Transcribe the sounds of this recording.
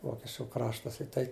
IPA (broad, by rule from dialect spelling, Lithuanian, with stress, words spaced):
ˈʋoːkʲɛt͡ʃʲʊ ˈkrɑːʃtɐs ɪ ˈtɐɪ